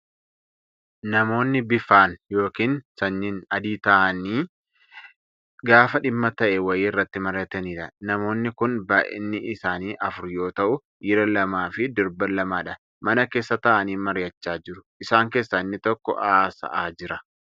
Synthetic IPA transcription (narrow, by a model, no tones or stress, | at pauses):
nɐmo̞ːnːɪbɪfaːnjo̞ːkiːnsɐnːɪnɐd̪iːt̪ɐʔɐniː | ɡaːfɐᶑɪmːɐt̪ɐʔɛwɐjɪːɪrːɐt̪ːɪmɐɾjɐt̪ɐniːᶑɐnɐmo̞ːnːɪkʊnbaːʔɪ̰nːɪɪsaːniːʔɐfʊɾjo̞ːt̪ɐʔʊ | jɪɾɐlɐmaːfɪd̪ɔɾbɐlɐmaːᶑɐ | mɐnɐke̞ːsːɐt̪ɐʔɐniːmɐɾjɐt͡ʃːaːd͡ʒɪɾʊʔɪsaːŋke̞ːsːɐɪnːɪt̪ɔkːɔ̰ʔaːsɐ̰ʔaːd͡ʒɪɾɐ